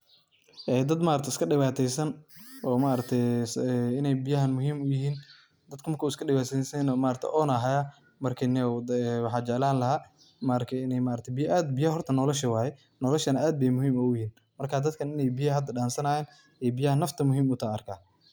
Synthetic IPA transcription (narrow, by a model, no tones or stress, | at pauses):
ʔɛːd̪ɐd̪maːɾɐkt̪ʰɪskʰɐɖɪβaːt̪ʰɛjsɐnɔːmaːɾɐk̚t̪ʰɛsɪnɛjbɪjɐɦɐnmʊɦiːmʊjɪɦiːn | d̪ɐd̪kʰʊmɐrkʰɐwɪskʰɐɖɪβaːt̪ɛsɛnmaːɾɐkt̪ʰɛ̰ʔɔːnɐɦajɐ | mɐrkʰɐnɛwɛwɑħɑːt͡ʃɛʕlaːnlɐɦaː | maːɾɐkʰɛɪnɛjmaːɾɐkt̪ʰɛbɪjʔaːd̪bɪjɐhɔrt̪ʰɐnɔːlɔʃɐwaːjɛ | nɔːlɔʃɐnɐʔaːd̪̚bɛjmʊɦiːmɐʊjɪhiːn | mɐrkʰaːd̪ɐd̪kʰɐnɪnɛjbɪjɐɦɐd̪ɐɖaːnsɐnajɛːn | ɛjbɪjɐhɐnːɐft̪ʰɐmʊɦiːmʊt̪ʰaːɐrkʰaː